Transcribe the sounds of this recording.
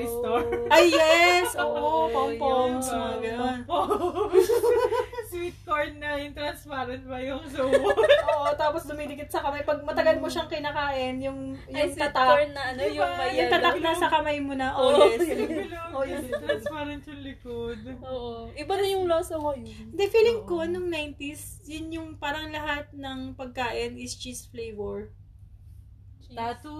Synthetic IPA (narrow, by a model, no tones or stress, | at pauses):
jst̪oʔɐjːɛsʔoːʔopompomsmɐɡɐnono | swit̪̚koɹnːɐjʊŋt̪ɾɐnspaɾɐnt̪̚bɐjʊŋsoʔoʔot̪aːposd̪ʊmiːd̪ɪɡɪt̪̚sɐkɐmajpɐɡ̚mɐt̪ɐɡɐlmoʃɐŋkɪnakaːʔɪnjʊŋjʊŋt̪ɐt̪awɛnːɐʔɐnojŋjʊŋt̪ɐt̪ɐk̚nɐsɐkɐmajmonɐʔoɛɪlojɛpɐɾɪntʊŋlɪkod̪oʔoʔɪbɐnojʊŋloːsomond̪ɛfiːlɪŋkonʊŋnajnt̪isjʊnjʊŋpaːɾɐŋlɐɦat̪̚nɐŋpɐɡ̚kaːʔɪnɪst͡ʃist̪flejvɛɹ